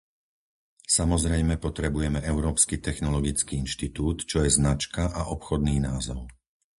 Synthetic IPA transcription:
samɔzɾɛjmɛpɔt̪ɾɛbujɛmɛʔɛʊɾɔːpskit̪ɛxnɔlɔɡit͡skiːinʃt̪it̪uːt̪t͡ʃɔjɛznat͡ʃkaʔaʔɔpxɔd̪̚niːnaːzɔʊ

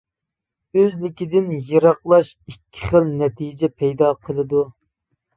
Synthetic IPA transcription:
øzlɪkʲid̪ɪnjeɾɑqlˠɑʃ | ikʲʰːɪ̥χəlnɛt̪ʰijd͡ʒɛpʰɛjd̪ɑqʰəlˠɨd̪u

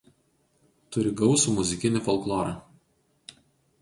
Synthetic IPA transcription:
t̪ʊɾʲɪɡɒʊsuːmʊzʲɪkʲɪnʲɪfɔlˠklˠɔːɾɐa

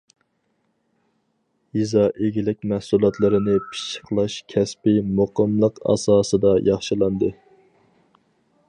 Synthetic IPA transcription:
izɑʔeɡʲilɪk̚ʲmæhsulˠɑt̪lˠɨɾɨnɨpʰi̥ʃə̥qʰlˠɑʃkʲʰɛspɪmoqəmlˠəqɑ̰sɑːsɨd̪ɑjʔɑχʃɨlˠɑnd̪ɨ

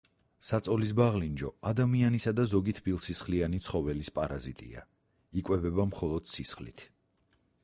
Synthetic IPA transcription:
sat̪sʼɔlis̬baʁlind͡ʒɔad̪amianisad̪azɔɡit̪ʰbilˠsisχlianit̪sʰχɔvɛlispʼaɾazit̪ʼḭa̰ | ikʼwɛbɛbamχɔlˠɔd̪̥sisχlḭt̪ʰ

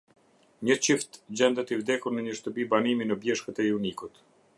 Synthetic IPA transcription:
ɲət͡ɕift̪d͡ʑɛnd̪ət̪ivd̪ɛkuɾnəɲəʃt̪əpibaniminəbjɛʃkət̪ɛunikut̪

